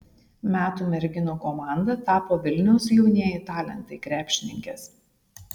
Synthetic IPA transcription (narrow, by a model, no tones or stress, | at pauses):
mʲæːt̪uːmʲɛɾʲɡʲɪnoːkɔmɑˑnd̪ɐt̪ɑːpoːʋʲɪlʲnʲɛʊsjɛʊnʲiɛjɪt̪ɑːlʲɛ̰nt̪ɐɪkɾʲæːpʲʃʲɪnʲɪŋʲkʲɛs